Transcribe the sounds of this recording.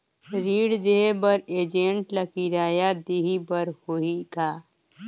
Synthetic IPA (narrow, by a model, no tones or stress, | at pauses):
ɾiːɽd̪eebɐɾeːd͡ʒẽɳʈlɐkiɾaːjad̪iɦibəɾhoikaː